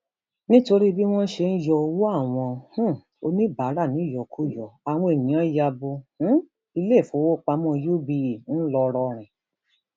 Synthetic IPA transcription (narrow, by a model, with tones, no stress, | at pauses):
nĩ˦to˧ɾi˦bi˦w̃ɔ̃˦ʃe˧n̩˦jɔ˧o˧wo˦a˦˨w̃ɔ̃˧h̩˦ | o˧nĩ˦ba˨˦ɾa˦˨nĩ˨˦˨jɔ˨kʰu˦jɔ˨a˨w̃ɔ̃˧e˨nĩ˨˦ã˦ja˧bõ˧˦ | i˧le˦˨fũ˨˦wo˦k͡pa˧mɔ̃˦˧jo˦bi˧˨n̩˦lɔ˧ɾɔ˧ɾ̃ɛ̃˨